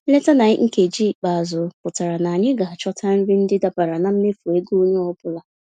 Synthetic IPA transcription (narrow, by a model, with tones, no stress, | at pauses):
n̩˦le˦ta˦na˨ɲɪ˦ŋ̩˦ke˨d͡ʒi˦k͡pa˨a˨zʊ˨pʊ˨ta˨ɾa˨na˨a˨ɲɪ˦ɡa˨a˨t͡ʃɔ˦tʰa˦n̩˦ɾi˦n̩˦dɪ˦da˦pa˨ɾa˨na˨m̩˦me˦fu˨e˦ɡu˦o˦ɲe˦ɔ˦bʊ˦la˨